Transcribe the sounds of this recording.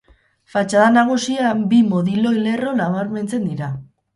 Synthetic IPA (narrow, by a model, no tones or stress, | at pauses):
fat͡ʃaðanaɣ̞usiabimoðilo̞jle̞ro̞naβaɾme̞nt͡se̞nd̪iɾa